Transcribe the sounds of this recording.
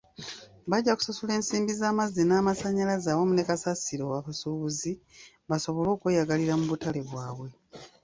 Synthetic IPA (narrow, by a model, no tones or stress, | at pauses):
βaɟːaku̥sasule̞ːnsiːmbizaːmazːenaːmasaɲalazaːwomune̞kasasiɾo̞waβasuːβuzi | βaso̞βo̞lo̞ːkweːjaɡaliɾamuβutale̞βwaːβwe̞